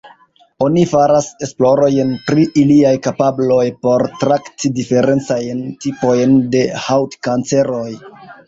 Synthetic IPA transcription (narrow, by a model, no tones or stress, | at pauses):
o̞nifaɾase̞splo̞ɾo̞jnpɾiʔiliajkapablo̞jpo̞ɾtɾaktidife̞ɾe̞nt͡sajntipo̞jnde̞hawtkant͡se̞ɾo̞j